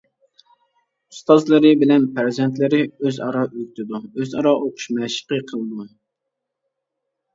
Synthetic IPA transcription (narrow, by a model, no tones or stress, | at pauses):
ust̪ɑzlˠɨɾɪbɪlɛnpʰæɾzɛnt̪lɪɾɪøzɑɾɑʔykʲt̪ʰɪd̪uøzɑɾɑʔoqʰʊ̥ʃmɛʃə̥qəqʰəlˠɨd̪u